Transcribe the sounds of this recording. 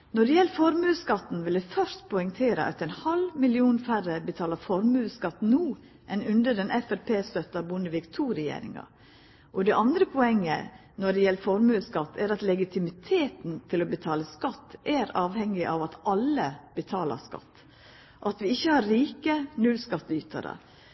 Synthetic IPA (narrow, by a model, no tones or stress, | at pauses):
nɔɖɛjɛlːfɔɾmʉːskɑt̪ːn̩ʋɪld̪ɛfœɾst̪pʰɔʏŋt̪ʰeːɾə̰ʔɑ̰t̪æɪnhɑlmɪlɪuːnfæɾəbət̪ʰɑːləfɔɾmʉːskɑt̪ːnuː | ʔɛnʉnd̪əɖɛnʔɛfɛɾpʰeːst̪œt̪ːɑbʊnəʋɪkt̪ʰuːɾɛjḛːɾɪ̰ŋɑ̰ | ʔɔd̪ɛʔɑnd̪ɾəpʰɔɛŋːə̰ | nɔɖɛjɛləfɔɾmʉːskɑt̪ːæɾɑt̪lɛɡɪt̪ʰɪmɪt̪ʰeːt̪nt̪ʰɪlɔbət̪ʰɑːləskɑt̪ːʔæɾɑːʋhɛŋːɪʔɑʋɑt̪ɑləbət̪ʰɑːlə̰skɑ̰t̪ː | ʔɑt̪ʋɪɪçːəhɑɾɾiːkənʉlskɑt̪ːyːt̪ʰɑ̰d̪ɑ̰